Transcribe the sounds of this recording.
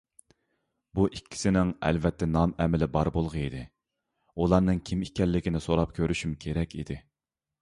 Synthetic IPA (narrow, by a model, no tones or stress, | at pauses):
buʔikʲʰːi̥sɪnɪŋɛ̰lvɛt̪ʰːɛnɑmɛmɪlɪbɑɾbolˠʁəid̪ɪ | ulˠɑɾnɨŋkʲʰimikʲɛlːɪkʲinɪsoɾɑp̚kʲʰøɾyʃymkʲʰeɾɛkʲʰḭd̪ɪ